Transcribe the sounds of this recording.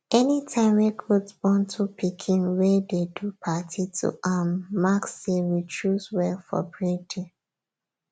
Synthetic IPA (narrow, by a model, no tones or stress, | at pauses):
ɛnitʰãɪ̃mɹekʰɔdsbɔ̃ntʰupikʰĩnwɛdedupʰatʰitʰṵʔamːakseɹit͡ʃuswɛlfɔ̰bɹidĩ